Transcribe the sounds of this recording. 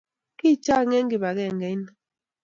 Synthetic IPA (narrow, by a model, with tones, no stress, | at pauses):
ki˦˨t͡ʃa˦˨ŋɛ˦ŋ̩˦ɡi˨ba˨ɡɛ˦˨ŋ̩˨ɡɛ˦n˨